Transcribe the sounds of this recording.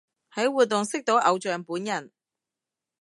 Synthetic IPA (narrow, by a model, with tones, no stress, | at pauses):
hɐ˨˥jwuː˨t̚t̪ːʊ˨ŋsɪ˥k̚t̪o˨˥wʔɐ˨˧wt͡ʃœː˨ŋpuː˨˥njɐ˨˩n